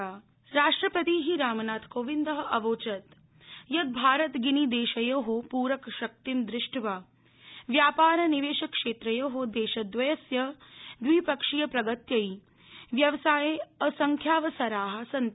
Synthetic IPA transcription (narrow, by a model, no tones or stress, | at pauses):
ɾaːʂʈɾɐpɐt̪iːɦiɾaːmɐnaːt̪ʰkoːʋind̪ɐɦɐ̆ʔɐʋoːt͡ʃɐt̪ | jɐd̪̚bʱaːɾɐt̪ɡinid̪eːʃɐjoːɦopuːɾɐkʃɐk̚t̪imd̪ɾɪʂʈʰʋa | ʋjaːpaːɾɐniʋeːʃɐkʂeːt̪ɾɐjoːɦod̪eːʃɐd̪ʋɐjɐsjɐd̪ʋipɐkʂijɐpɾɐɡɐt̪jɐi | ʋjɐʋsaːjeɐsɐŋkʰjaːʋɐsɐɾaːɦɐ̆sɐn